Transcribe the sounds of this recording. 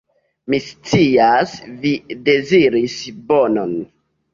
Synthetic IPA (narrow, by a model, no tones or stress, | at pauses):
mist͡siasvide̞ziɾisbonon